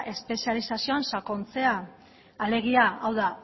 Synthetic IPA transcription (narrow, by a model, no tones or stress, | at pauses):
ʔe̞spe̞sialisasio̞ansako̞nt͡se̞aː | le̞ɣ̞iaawða